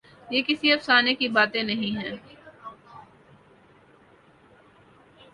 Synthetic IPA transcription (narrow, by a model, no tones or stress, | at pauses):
jeːkɪsiɐfsaːnekibaːt̪ẽnɐɦĩɦɛ̃ː